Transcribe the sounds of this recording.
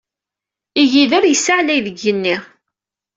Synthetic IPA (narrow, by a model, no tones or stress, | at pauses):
iʝiðəɾjəsaʕlæjðəɡːənːiʁ